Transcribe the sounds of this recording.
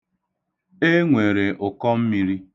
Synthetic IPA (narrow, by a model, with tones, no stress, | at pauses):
e˦ŋʷe˨ɾe˨ʔʊ˨kɔ˦m̩˦mi˨˦ɾi˦